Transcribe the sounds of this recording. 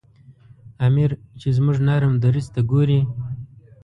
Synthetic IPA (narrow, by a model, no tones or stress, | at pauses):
amiɾt͡ʃezmuʐnaɾamd̪aɾizt̪aɡoɾi